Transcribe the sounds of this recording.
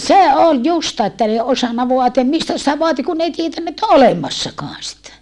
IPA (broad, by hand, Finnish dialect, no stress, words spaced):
se ol justɑː etːæ n ei osɑnːɑ ʋoɑtiɑm mistæ sitæ ʋoɑti kun n ei tietænːæ etː o olemɑsːɑkɔɑn sitæ